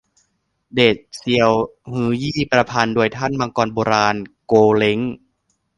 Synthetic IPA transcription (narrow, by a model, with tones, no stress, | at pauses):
deː˨˩t̪̚si˧əwhɯː˩˦jiː˥˩pɾa˧pʰaː˧ndu˧əjt̪ʰa˥˩˨nmaː˧ŋkɔː˧nboː˧ɾaː˧nkoː˧le˦˥ŋ